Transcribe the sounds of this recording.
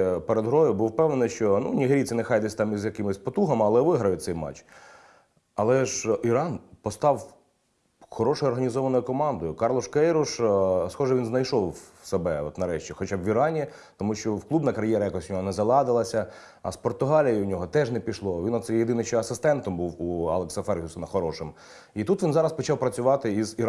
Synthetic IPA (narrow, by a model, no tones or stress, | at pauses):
peɾed̪ɦɾɔjʊbuwpɛwnenɪʃt͡ʃɔnṵnʲiɦeɾʲit͡sʲɪnɛxɑjd̪ɪsʲt̪ɑmizjɐkɪmɪsʲpɔt̪uɦɐmɐlˠɛʋɪɦɾɐjʊsɛjmɑ̰t͡ʃ | ɐlˠɛʒiɾɑnpɔst̪ɑw | xɔɾɔʃɔjʊɔrɦɐnʲizɔʋɐnɔjʊkɔmɑnd̪ɔjʊkɑrlˠɔʃkɛjɾʊʃsxɔʒɛʋʲinznɐjʃɔwsebɛɔt̪nɐɾɛʃt͡ʃʲixɔt͡ʃabʋʲiɾɑnʲi | t̪ɔmuʃt͡ʃɔwklˠubnɐkɐɾjɛɾɐjakɔsʲnʲɔɦɔnɛzɐlˠɑd̪ɪlˠɐsʲɐ | ɐ̰spɔrt̪ʊɦɑlʲijiʊnʲɔɦɔt̪ɛʐnɛpʲiʃlˠɔʋʲinɔt̪sɛjed̪ɪnɪʃt͡ʃɔɐsɪst̪ɛnt̪ɔmbuwuɐ̰lˠeksɐfɛrɦʲusɔnɐxɔɾɔʃɪm | it̪ut̪ʋʲinzɑɾɐspɔt͡ʃɑwpɾɐt͡sʲʊʋɑt̪ɪiziɾ